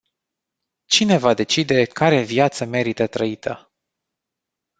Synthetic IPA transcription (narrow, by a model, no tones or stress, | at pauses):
t͡ʃine̞vad̪e̞t͡ʃid̪e̞kaɾe̞viat̪səme̞ɾit̪ət̪ɾəit̪ʰə̰